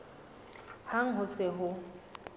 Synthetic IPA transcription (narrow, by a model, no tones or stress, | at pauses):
haŋ̩ɦʊsɪɦʊ